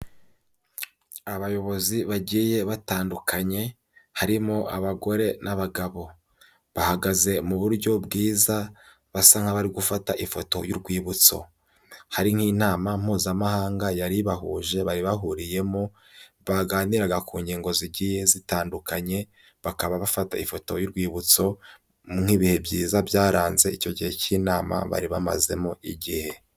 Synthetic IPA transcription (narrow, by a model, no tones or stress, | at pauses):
aβajo̞βo̞ziβaɟiːje̞βataːndukʰaɲe̞ | haɾimoʔaβaɡo̞ɾe̞nʔaβaɡaβo̞ | βahaɡaze̞muβuɾɟo̞bɡiːza | βasaŋ̥haβaɾiɡufataʔifo̞to̞̰juɾɡwiːβut͡so̞̰ | haɾiŋ̥hiːnaːmam̥uːzamahaːŋɡajaɾiβaɦuʒe̞βaɾiβaɦuɾije̞mo | βaɡaːniɾaɡakuːɲɟiːŋɡo̞ziɟije̞zitaːndukaɲe̞ | βakaβaβafata̰ifo̞to̞juɾɡwiːβut͡so̞ | ŋ̥iːβihe̞bjḭːzabjaːɾaːnze̞ico̞ɟihe̞ciːnaːma̰βa̰ɾiβama̰ze̞̰moʔiɟihe̞